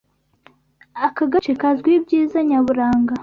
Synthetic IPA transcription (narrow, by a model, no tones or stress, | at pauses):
akaɡat͡ʃekazɡwibɟiːzaɲaβuɾaːŋɡa